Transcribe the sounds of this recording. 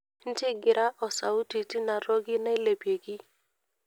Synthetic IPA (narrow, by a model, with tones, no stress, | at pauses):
n̩˦tɪ˦ɡɪ˨ɾʔa˦ʔɔ˨sa˨u˦ti˨ti˦na˨ɾɔ˦ɡɪ˦na˦ɪ˦le˨pje˨ɡi˦